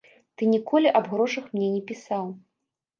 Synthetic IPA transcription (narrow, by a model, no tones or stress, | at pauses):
t̪ɨnʲikɔlʲiʔɐbɣɾɔʂɐxmnʲɛnʲɛpʲisaw